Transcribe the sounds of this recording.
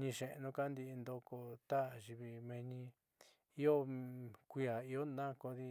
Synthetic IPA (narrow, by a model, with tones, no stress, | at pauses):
ɲĩ˧ʃẽ˧ʔnũ˧ka˦nd̪i˧nd̪o˧ko˧t̪a˦˨ʒi˧βi˧mẽ˧ɲĩ˧ | i˦o˦kʷi˧a˨i˧o˦nã˦ko˧ði˧